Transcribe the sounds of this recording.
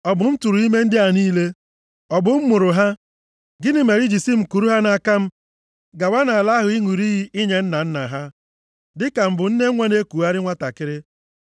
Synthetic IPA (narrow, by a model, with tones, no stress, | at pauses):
ɔ˨bʊ˨m̩˦tu˨ɾu˨i˦me˦n̩˦dɪ˦a˨niː˦le˦ | ɔ˨bʊ˨m̩˦mʊ˨ɾʊ˨ɦa˦ | ɡɪ˦nɪ˦me˨ɾi˦d͡ʒi˨si˦m̩˨ku˨ɾu˦ɦa˦na˨ka˦m̩˦ | ɡa˨wa˦na˨a˨la˦ɦʊ˨i˦ŋʷu˨ɾi˦ɦi˦ɪ˦ɲe˨n̩˦na˨n̩˦na˨ɦa˦ | dɪ˦ka˨m̩˦bʊ˨n̩˦ne˦ŋʷa˦ne˦kʷu˨a˦ɾɪ˦ŋʷa˦ta˨kɪ˦ɾɪ˦